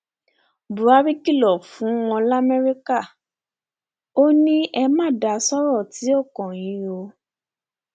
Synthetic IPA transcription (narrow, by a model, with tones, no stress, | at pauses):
bu˨ɾa˦ɾi˦ki˦˨lɔ˨fũ˨˦w̃ɔ̃˧la˦mɛ˦ɾi˦ka˦˨ | o˦nĩ˦ʔɛ˧mã˦˨da˨˦sɔ˦ɾɔ˦˨ti˨˦o˦˨kɔ̃˨j̃ĩ˨˦o˧